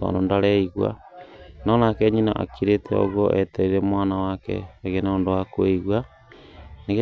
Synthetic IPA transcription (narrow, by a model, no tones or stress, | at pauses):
tɔ̰ːndondaɾɛiɣwa̰nɔnakɛɲina̰ʔa̰kiɾetʰɛo̰ɣɔʔɛtɛɾiɾɛmwaːnawakɛ̰ːɣenondowakoiɣwa | neɣe